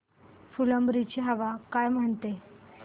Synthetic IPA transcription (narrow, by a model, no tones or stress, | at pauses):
fuləmbɾit͡ɕiɦəʋakajm̤əɳt̪e